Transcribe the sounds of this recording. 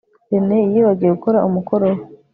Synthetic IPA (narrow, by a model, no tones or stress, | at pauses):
eneijiβaɟijeɡukoɾaʔumuko̞ɾow